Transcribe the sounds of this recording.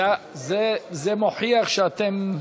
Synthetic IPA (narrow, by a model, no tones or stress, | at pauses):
a | zezemoħiaχʃeat̪em